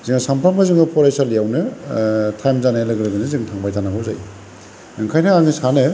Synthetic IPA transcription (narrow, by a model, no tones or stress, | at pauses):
zɯŋasampʰɾambʰazɯŋɯpʰɔɾajsalijawnɯ | tʰajmzanajlɯɡɯɾɯɡɯnɯzɯŋtʰaŋbajtʰanakʰɯwza̰j | ɯŋkʰajnɯaŋnisanɯ